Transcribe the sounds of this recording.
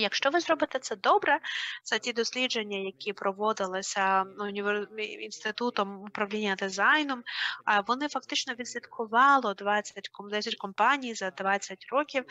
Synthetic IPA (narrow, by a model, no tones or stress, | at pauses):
jɐkʃt͡ʃɔʋɪzɾɔbɪt̪ɛt̪sɛd̪ɔbɾɛz̥ɐtʲid̪ɔsʲlʲid͡ʒenʲːɐjɐkʲipɾɔʋɔd̪ɪlˠɪsʲɐʊnʲɪʋinst̪ɪt̪ut̪ɔmʊpɾɐʋlʲinʲːɐd̪ɪzɑjnʊmʋɔnɪfɐk̚t̪ɪt͡ʃnɔʋʲid̪sʲʋʲit̪kʰʊʋɑlˠɔd̪ʋat͡sʲːɐtʲkɔd̪ɛsʲɐtʲkɔmpɑnʲijzɐd̪ʋɑt͡sʲːɐtʲɾɔkʲiw